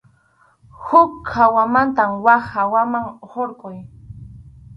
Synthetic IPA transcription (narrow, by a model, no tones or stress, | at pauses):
hʊkːawamant̪amwaχawamaŋhoɾqʼʊj